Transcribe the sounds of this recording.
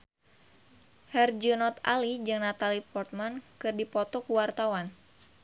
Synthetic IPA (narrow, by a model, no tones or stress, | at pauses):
hɛrd͡ʒunɔt̪a̰lid͡ʒɨŋnat̪alipɔrt̪̚mankɨrdipɔt̪ɔkuwart̪awan